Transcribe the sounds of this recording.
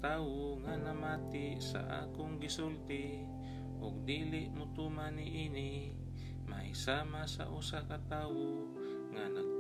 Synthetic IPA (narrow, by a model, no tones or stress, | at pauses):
t̪aːwoŋanamaːt̪ɪ | sa̰ʔa̰ːkʊŋɡɪsult̪ɪ | ʔʊɡ̚d̪iːlɪʔmʊt̪uːmanɪʔinɪ | majsaːmasa̰ʔusakat̪aːwo | ŋanaɡ̚